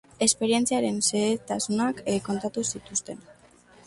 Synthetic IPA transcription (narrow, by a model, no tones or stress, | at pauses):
e̞spe̞ɾie̞nt͡siaɾe̞nseet̪asunakko̞nt̪at̪usit̪ust̪e̞n